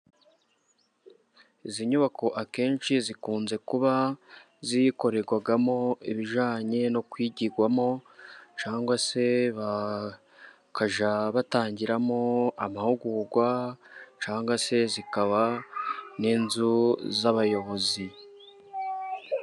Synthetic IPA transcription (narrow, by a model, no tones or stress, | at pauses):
iziɲuβako̞ʔake̞ːnʃizikuːnze̞kuβa | zijiko̞ɾe̞ɾɡwaɡamo̞iβiʒaːɲe̞no̞kwiɟiɡwamo̞t͡ʃaːŋɡwase̞βa | kaʒaβataːɲɟiɾamo̞amahuɡuːɾɡwat͡ʃaːŋɡase̞zikaβa | ninzuzaβajo̞βo̞zi